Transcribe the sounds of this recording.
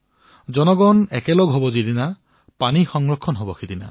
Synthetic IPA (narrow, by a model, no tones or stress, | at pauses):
d͡ʒɔnɔɡɔnekeloɡɦobɔd͡ʒid̪ina | panixɔŋɹɔkʰːɔnɦobɔxʰid̪ina